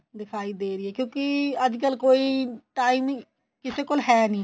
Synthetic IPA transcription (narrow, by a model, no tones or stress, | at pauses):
d̪ɪkʰaːiːd̪eːɾɪːɛːkjõːkɪəd͡ʒkəlkoːiːʈaːiːm | kɪseːkolɦɛːnĩː